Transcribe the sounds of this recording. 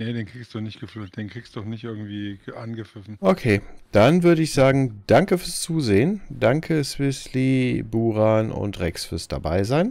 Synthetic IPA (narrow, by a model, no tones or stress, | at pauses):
nedeːnkʁ̥iːkstdɔnɪçtɡ̥əfyːlt̚d̥eːnkʁ̥iːkstuɔχnɪçtʔɪɐɡŋ̩tv̥iːʔanɡəfɪfn̩ʔokʰeːd̥anvʏɐɾəɪçz̥aːɡŋ̩d̥aŋkəfyːɐst͡suːzeːənd̥aŋkʰəsv̥ɪslibuːʁaːnʊ̰ntʁɛksfyːɐsd̥a̰baɪzaɪn